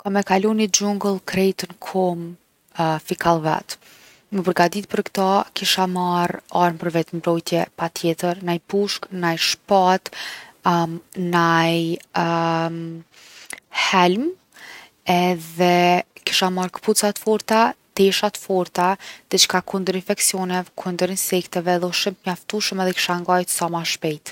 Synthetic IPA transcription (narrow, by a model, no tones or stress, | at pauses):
kamɛkalɔnid͡ʑuŋɡəlˠkɾɛjt̪ənkʰɔm | fikʰalˠvɛ̰t̪ | məpəɾɡad̪it̪̚pəɾkt̪akiʃamaɾaɾmpəɾvɛt̪mbɾɔjt̪jɛpat̪jɛt̪əɾnajpuʃknajʃpat̪ | naj | hɛlm | ɛðɛki̥ʃamaɾkə̥put͡sat̪əfɔɾt̪at̪ɛʃat̪əfɔɾt̪aðɛt͡ʃkakʰund̪əɾinfɛksjɔnɛvkʰund̪əɾinsɛkt̪ɛvɛðɔʃəmt̪ɲaft̪uʃəmɛðɛki̥ʃaŋɡajt̪samaʃpɛjt̪